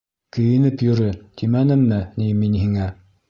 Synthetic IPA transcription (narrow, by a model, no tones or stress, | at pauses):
kɵ̆jɘ̆nɘpjɵ̆ɾɘt̪ʰimænɘ̆mːɘniminhiŋæ